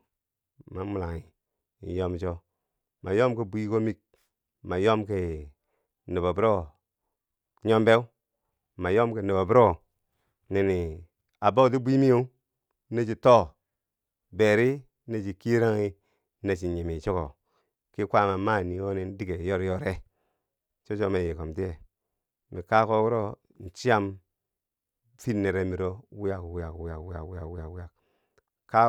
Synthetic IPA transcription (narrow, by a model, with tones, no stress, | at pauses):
ma˨mu˨la˨ŋi˨ | ḭ˨˦jo˦mt͡ʃo˦ | ma˨jo˦mke˨bi˦i˦ko˦mi˦k̚ | ma˨jo˦mke˨ | ni˨ba˨bu˦ɾo˦ | ɲo˦mbe˦u˦ | ma˨jo˦mke˨ni˨bo˨bu˦ɾo˦˨ | ni˨ni˨ | a˨ba˦˨t̬i˦bʷi˦mi˦o˦ | ne˦d͡ʒi˨to˦ | be˨ɾi˦ | ne˦d͡ʒi˨ki˦ɾa˦ŋi˦ | ne˨t͡ʃi˨ɲi˨mi˨t͡ʃo˦ko̰˨ | ki˦kʷa˦ma˨ma˦˨ni˨o˦ni˦n˦di˦ke˨jo˦ɾjo˦ɾe˦ | t͡ʃo˦t͡ʃo˦me˨ji˨ko˨mti˦e˨ | mi˨ka˦ko˦wu˦ɾo˦ | n̩˨t͡ʃi˦a˦m | fi˦nːe˨ɾe˦mi˨ɾo˦wi˦ja˨kwi˦ja˨kwi˦ja˨kwi˦ja̰˨kwja˨kwi˦ja˨kwi˦ja˨k | ka˦